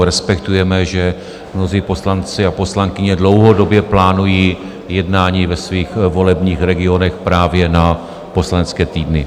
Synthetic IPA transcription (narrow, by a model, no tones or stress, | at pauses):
ɾɛspɛkt̪ujɛmɛʒɛ | mno̞ziːpo̞slant͡sɪapo̞slaŋkɪɲɛdlo̞wɦo̞do̞bjɛplaːnujiː | jɛdnaːɲiːvɛsviːxvo̞lɛbɲiːxɾɛɡɪo̞nɛxpɾaːvjɛna | po̞slanɛt͡skɛːt̪iːdnɪ